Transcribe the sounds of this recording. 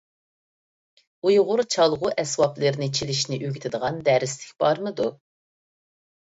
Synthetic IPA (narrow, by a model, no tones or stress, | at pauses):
ujʁʊɾt͡ʃʰɑlˠʁʊʔɛswɑplɨɾnɪt͡ʃʰiliʃnɪʔøɡʲit̪ʰɪd̪əʁɑnd̪æɾɪslɪ̥kʲb̥ɑɾmɨd̪u